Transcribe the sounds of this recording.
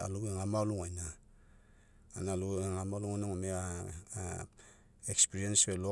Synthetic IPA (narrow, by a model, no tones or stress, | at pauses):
a̰luɡeŋamaluŋajna | nalueŋamaluŋanaŋomea | ekspiɾienswelo